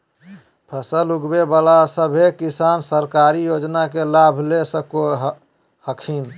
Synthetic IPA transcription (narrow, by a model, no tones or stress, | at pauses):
pʰəsəluɡbebalasəbʱekisansəɾkaɾijod͡ʒnakelabʱlesəko | həkʰin